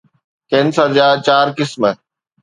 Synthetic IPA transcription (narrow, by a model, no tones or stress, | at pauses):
kẽnsad͡ʑaːt͡ɕaːɾkɪsmə